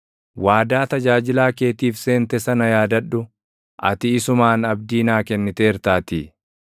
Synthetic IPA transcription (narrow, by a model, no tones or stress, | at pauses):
waːd̪aːt̪ɐd͡ʒaːd͡ʒɪlaːke̞ːt̪iːfse̞ːnt̪ɛsɐnɐjaːd̪ɐᶑːʊ | ʔɐ̰t̪ɪːsʊmaːnɐb̚d̪iːnaːkɛnːɪt̪eːɪɾt̪aːt̪iː